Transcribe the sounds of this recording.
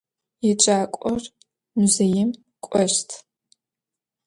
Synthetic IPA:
jit͡ʃʼaːkʷʼɔr | muzejɪm | kʷʼɔʂtʰ

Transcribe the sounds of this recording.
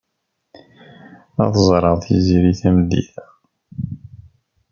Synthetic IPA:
ɑðzˤɾˤɑʁˤθjḭziɾiθæməd̪ḭθ

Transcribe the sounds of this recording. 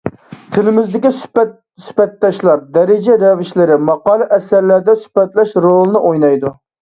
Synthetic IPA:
t̪ʰɪlɪmɪzd̪ɪkʲis | sy̥pɛt̪ːɑʃlˠɑɾd̪ɛɾɪd͡ʒɛɾɛvɪʃlɪɾɪmɑqɑːlˠɨʔɛsæɾlæɾd̪ɛsy̥pɛt̪lɛʃɾolˠɨnɨʔojnɑjd̪u

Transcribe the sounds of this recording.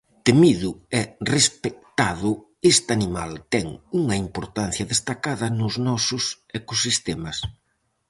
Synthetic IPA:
t̪emiðʊɛrespek̚t̪aðʊ | est̪animalt̪ɛŋuŋɐimpoɾt̪an̟θjɐðest̪akaðɐnʊznɔsʊs | ekosist̪ɛmɐs

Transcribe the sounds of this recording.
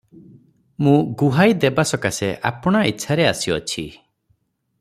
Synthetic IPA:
mũɡuɦajd̪ebasɔkaseʔa̰pɔɽ̃aitːʃʰaɾeasiɔt͡ʃʰi

